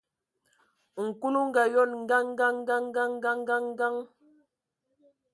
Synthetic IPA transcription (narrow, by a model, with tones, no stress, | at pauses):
ŋ̩˨ku˦lu˦ŋ̩˦ɡa˨jɔ˦˨nŋ̩˦ɡa˦ŋ˦ɡa˦ŋ˦ɡa˦ŋ˦ɡa˦ŋ˦ɡa˦ŋ˦ɡa˦ŋ˦ɡa˦ŋ